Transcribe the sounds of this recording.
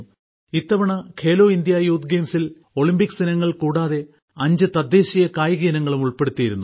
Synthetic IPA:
it̪ːɐʋɐɳɐkʰe̞ːlo̞ːind̪jɐajuːt̪ɡeːmsil | o̞ɭimbikːsinɐŋːɐɭkuːɽaːðe̞ | ɐɲd͡ʑɨt̪ɐd̪ːeːɕijɐkaːjɐɣiːnɐŋːɐɭumuɭpe̞ɽut̪ːijiɾunːu

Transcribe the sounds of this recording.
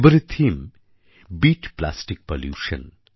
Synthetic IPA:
bəɾit̪ʰːim | biʈpla̰sʈik̚poljṵːʃə̰n

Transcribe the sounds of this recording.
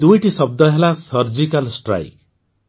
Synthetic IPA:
d̪ujʈisʌb̚d̪ʌɦelasʌɾd͡ʒikalsʈra̰jk

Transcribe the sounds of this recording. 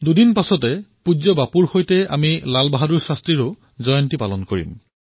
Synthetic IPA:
dudinpasɔtɛpud͡ʒɔbapuɹxojtɛa̰milalbaɦaduɹsastɹiɹʊ | zɔjɔntipalɔnkoɹḭm

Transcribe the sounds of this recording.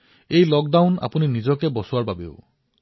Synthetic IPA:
ejlɔk̚dawna̰puninizɔkebɔsuwaɹbabḛʊ̰

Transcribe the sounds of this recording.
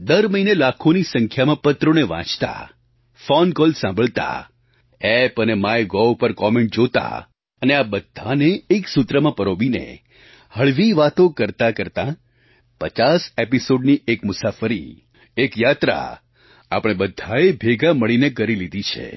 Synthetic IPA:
d̪əɾməinelakʰonisəŋkʰjamãpət̪ɾoneʋã̰t͡ʃt̪a̰ | fɔnkɔlsãmbʱəɭt̪a̰ | ɛpənemajɡɔwpəɾkɔmẽɳʈ̚d͡ʒot̪a̰ | əneabəd̪ʱaneːksʊt̪ɾəmãpəɾobinḛ | həɭʋiʋat̪okəɾt̪akəɾt̪ã | pət͡ʃasepisoɖniekmʊsafəɾḭ | ekjat̪ɾa̰ | a̰pəɽ̃ebəd̪ʱːaebʱeɡaməɭinekəɾilid̪ʱit͡ʃʰḛ

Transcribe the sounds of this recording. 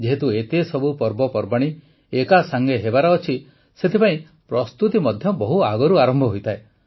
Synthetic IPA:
d͡ʒeɦet̪uet̪esɔbupɔɾbɔpɔɾbaɽ̃i | ekasaŋɡeɦebaɾɔːt͡ʃʰi | set̪ʰepaĩ | pɾɔst̪ut̪imɔd̪ʱjɔbɔɦuaɡɔɾuaɾɔmbʱɔɦojt̪ʰae

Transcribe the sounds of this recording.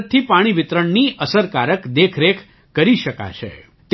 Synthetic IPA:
t̪ʰːipaɽ̃iʋɪt̪ɾəɳniʔəsəɾkaɾəkd̪ekʰɾekʰ | kəɾiʃəka̰t͡ʃʰḛ | t̪

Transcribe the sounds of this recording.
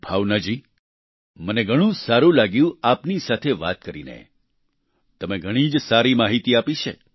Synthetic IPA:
bʱaʋnad͡ʒi | məneɡʱəɽ̃ũsaɾũlaɡjũapnisat̪ʰeʋa̰t̪̚kəɾḭnḛ | t̪əmeɡʱəɽ̃id͡ʒsaɾimaɦit̪iapit͡ʃʰe

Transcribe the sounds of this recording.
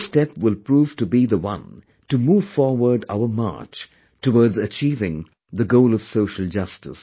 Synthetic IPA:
stɛpwɪlˠpɹuːv̥tubiðəwʌ̰̃n | tɨmuːv̥fɔɹwə˞ɖa̰ʊə˞mɑ̰ɹt͡ʃ | təwɔɹdzət͡ʃiːvɪ̃ŋ | ðəɡoʊlʌv̥soʊʃəl̩ˠd͡ʒʌstɨ̰s

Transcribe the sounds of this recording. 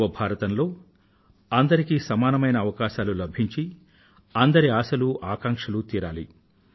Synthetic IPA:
ʋɐbʱaːɾɐt̪ɐnlo̞ː | ɐnd̪ɐɾikiːsɐmaːnɐmɐjnɐːʋɐkaːʃaːlulɐbʱiɲt͡ʃi | ɐnd̪ɐɾiaːsɐluʔaːkaːŋkʂɐlut̪iːɾaːlḭ

